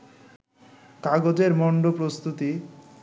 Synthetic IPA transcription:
kaɡod͡ʑeɾmɔɳɖopɾost̪ut̪i

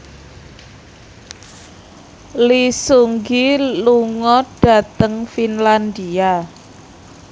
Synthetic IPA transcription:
lisuŋɡiluŋɔɖ̥a̤t̪əŋfinland̪ia

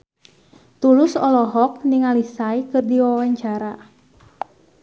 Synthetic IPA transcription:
t̪ulʊsɔlɔɦɔk̚niŋalisaikɨrdiwawaɲt͡ʃaɾa

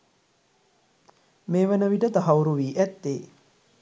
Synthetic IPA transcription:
meːʋənəʋiʈət̪aɦauɾuʋiːʔæt̪ːeː

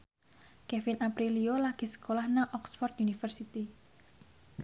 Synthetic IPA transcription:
kefɪnapɾiliolaɡ̥esə̥kolahnaʔɔksfɔrt̪unifərsit̪i

